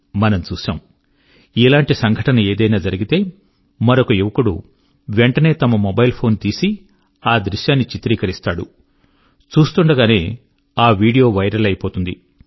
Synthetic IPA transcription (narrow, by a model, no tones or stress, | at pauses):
mɐnɐmt͡ʃuːʃa̰ːm | ilaːɳʈisɐŋɡʱɐʈɐnɐe̞ːd̪ɐjnaːd͡ʒɐɾiɡit̪e̞ː | mɐɾokɐjiʋɐkuɽṵ | ʋeɳʈɐne̞ːt̪ɐmɐmobɐjlpʰo̞ːnt̪iːsi | aːd̪ɾiʃjaːnːit͡ʃit̪ɾiːkɐɾist̪aːɽṵ | t͡ʃuːst̪uɳɖɐɡaːne̞ː | aːʋiːɽijo̞ːʋɐjɾɐlɐjɐpoːt̪und̪ḭ